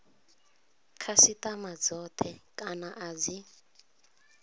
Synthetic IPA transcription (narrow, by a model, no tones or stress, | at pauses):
kʰasitʼamad͡zɔtʰɛkʼanaʔad͡zi